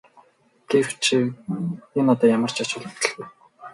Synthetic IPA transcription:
ɡ̥ewt͡ɕʰi | enɔt̪ɔːjamə̆r̥t͡ɕʰat͡ɕʊːɮe̥t̪ɘ̆ɮɣuj

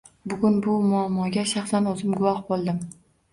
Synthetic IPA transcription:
bʊɡʲʊnbʊmʊamːɒɡʲaʃɑχsanɒzɪmɡʊwɒhbolˠd̪ɪm

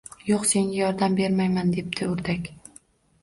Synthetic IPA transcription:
joqse̞ŋɡʲajɒɾd̪ambe̞ɾmajmand̪e̞p̚d̪ʰɪʊɾd̪akʲ

